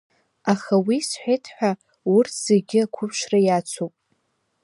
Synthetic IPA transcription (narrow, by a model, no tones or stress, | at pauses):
aχawisħʷᶣejtʰħʷᶣa | ʊrtʰz̥erɡʲɪakʷʰʊpʰʃrajat͡sʷʰowpʼ